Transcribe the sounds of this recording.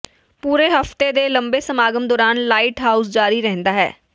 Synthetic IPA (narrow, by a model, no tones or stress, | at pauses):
puːɾeːɦəft̪eːd̪eːləmbeːsəmaːɡəmd̪ɔːɾaːnlaːɪʈɦaːʊsd͡ʒaːɾiːɾɛɦnd̪aːɦɛ̰ː